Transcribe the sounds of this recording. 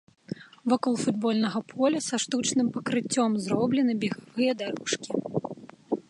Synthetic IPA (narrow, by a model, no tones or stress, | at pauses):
vɔkɔlˠfud̪̚bɔlʲnɐɣɐpʰɔlʲɐsɐʂt̪ut͡ʂnɨmpɐkɾɨt͡sʲːɔmzɾɔblʲɛnɨbʲɛɣavɨjɐd̪aɾuʂkʲi̥